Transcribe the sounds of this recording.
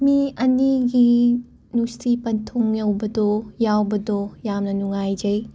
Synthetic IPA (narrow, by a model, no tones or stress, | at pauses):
miɐniɡi | nustipɐntʰuŋjɐwbɐd̪ojawbɐdojamnɐnuŋajd͡ʒɐj